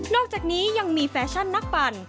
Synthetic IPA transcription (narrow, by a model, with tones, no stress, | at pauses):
nɔː˥˩k̚t͡ɕaː˨˩k̚niː˦˥ja˧ŋmiː˧fɛː˧t͡ɕʰa˥˩nːa˦˥˩k̚pa˧n